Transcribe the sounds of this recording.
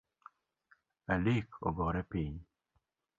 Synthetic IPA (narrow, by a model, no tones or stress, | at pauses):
alikʰo̰bɔɾɛpɪɲ